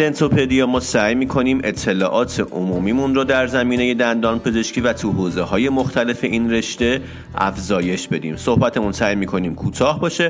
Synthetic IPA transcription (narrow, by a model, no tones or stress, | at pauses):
ent̪ʰopʰed̪ijɒmɒːsæːjmiːkʰo̞niːmʔe̞t̪ʰːe̞lɒ̰ːʔɒːt̪ʰe̞ʔomuːmiːmunrɔːd̪æɾzæmiːne̞je̞d̪ænd̪ɒːnpʰe̞ze̞ʃkcʰiːvæt̪ʰuɦoːze̞hɒːje̞moxt̪ʰæle̞fe̞ʔiːnre̞ʃt̪e̞ | æ̰fzɒːje̞ʃbe̞d̪ḭːmso̞hbæt̪ʰemunsæːjmiːkʰo̞niːmkʰuːt̪ʰɒːhbɒːʃe